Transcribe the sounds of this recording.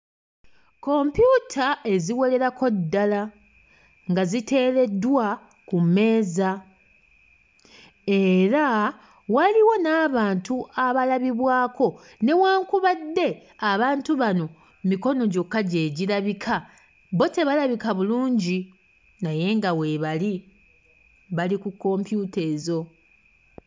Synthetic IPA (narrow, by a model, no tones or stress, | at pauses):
ko̞mpjutʰae̞ziwo̞le̞ɾako̞dːala | ŋɡazite̞ːle̞dːwa | kumːe̞ːza | e̞ɾa | waliwo̞naːβaːntuʔaβalaβiβwaːkʰo̞ | ne̞waːŋkuβadːe̞aβaːntuβano̞ | miko̞no̞ɟo̞kːaɟe̞ːɟilaβikʰa | βo̞te̞βalaβikaβuluːɲɟi | naje̞ŋɡawe̞ːβali | βalikukːo̞mpjute̞ːzo̞